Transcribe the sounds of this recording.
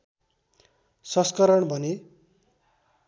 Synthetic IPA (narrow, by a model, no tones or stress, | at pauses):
sʌskʌɾʌɳbʱʌne